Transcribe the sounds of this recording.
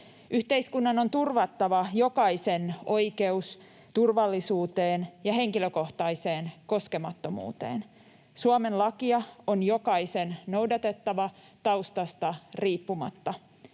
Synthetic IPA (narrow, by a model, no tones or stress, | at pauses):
ʔyht̪eiskunːɑno̞nt̪urʋɑt̪ːɑʋɑjo̞kɑise̞no̞ijke̞us | t̪urʋɑlːisuːt̪eːnjɑhe̞ŋkiløko̞ht̪ɑise̞ːnko̞ske̞mɑt̪ːo̞mṵːt̪ḛːn | suɑmenlɑkiɑonjo̞kɑise̞nno̞wdɑt̪e̞t̪ːɑʋɑ | t̪ɑwst̪ɑst̪ɑriːpːumɑ̰t̪ːɑ